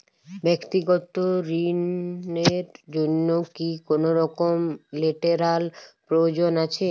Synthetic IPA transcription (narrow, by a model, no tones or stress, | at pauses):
bekt̪iɡɔt̪oɾineɾd͡ʑonːokikonoɾɔkomleʈeɾalpɾood͡ʑonat͡ɕʰe